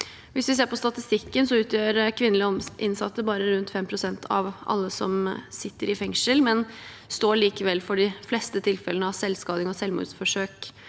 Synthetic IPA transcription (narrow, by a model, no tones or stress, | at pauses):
ʋɪsʋɪseːɾpʰɔst̪ɑt̪ɪst̪ɪkːənsɔʉːt̪jøːɾkʰʋɪnːəlɪɔʔɪnːsɑ̰t̪ːəbɑːɾəɾʉnt̪fɛmːpʰɾʊsɛnt̪ʰɑ̰ʋʔɑ̰lːəsɔmsɪt̪ːəɾɪfɛŋʂəlmɛn | st̪oːɭiːkəʋɛlːfɔɖɪflɛst̪ət̪ʰɪlfɛlənəɑsɛlskɑːd̪ɪŋɔsɛlʋmṵːd̪sfɔʂøːk